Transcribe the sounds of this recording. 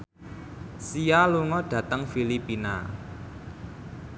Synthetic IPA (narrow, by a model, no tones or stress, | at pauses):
sijaluŋɔɖ̥ä̤t̪əŋfilipina̰